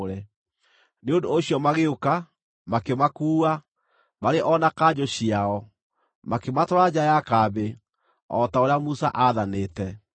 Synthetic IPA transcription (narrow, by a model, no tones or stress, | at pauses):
ɾɛ | neondoːɕjɔmaɣeoka | makemakuːa | maɾeʔɔnakad͡ʑoɕiaɔ | makematɔɾad͡ʑajakabe | ɔtaoɾeamusa̰ʔaðaneːtɛ